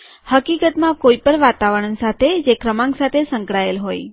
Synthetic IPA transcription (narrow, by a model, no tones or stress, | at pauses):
həkikət̪mãkoipəɳʋat̪aʋəɽənsat̪ʰed͡ʒekɾəmãŋɡsat̪ʰesə̃ŋkɽaelɦoj